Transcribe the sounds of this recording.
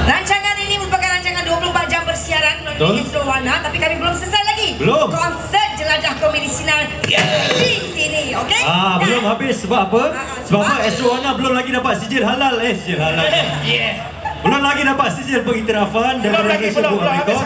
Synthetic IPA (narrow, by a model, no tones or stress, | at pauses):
laɲt͡ʃaŋaniniməmpakajlaɲt͡ʃaŋanduapulobahd͡ʒambərsiaɾankəlat̪onɛsɾoanãt̪apikamibəlomsəsarlaɡibəlomkɔnsət̪̚d͡ʒəlad͡ʒahkominisinal | isiniokeabəlomɦabɪsːəbapə | səbaapəɛsoanãbəlʊmlaɡidapat̪̚sid͡ʒənɦalalɛsid͡ʒənɦalalɛ | bəlʊmlaɡidapat̪̚sid͡ʒənbəŋit̪iɾafandapəɾaɡisəboaik̪o